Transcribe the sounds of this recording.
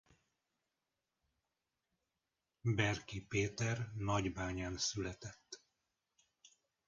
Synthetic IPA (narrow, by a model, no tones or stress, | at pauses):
bɛrkipeːt̪ɛrnɒɟbaːɲaːnsylɛt̪ɛt̪ː